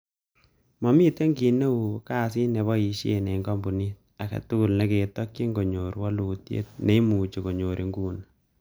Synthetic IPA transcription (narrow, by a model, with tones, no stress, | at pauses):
mɔ˨mi˦te˦ŋɡi˨ne˦wu˨ka˦si˦nɛ˨βɔ˦i˨ʃḛ˨nɛ˨i˨ŋɡɔ˦mbu˨ni˦t̚ | a˨ka̰˨tu˦ku˦˨lne˦ke˨tɔ˦kji˦ŋɡo˨ɲo˨ɾwɔ˦lu˨tjḛ˦t̚ne˦i˦mu˨t͡ʃo˨ko˨ɲo˨ɾʔi˨ŋɡuː˦n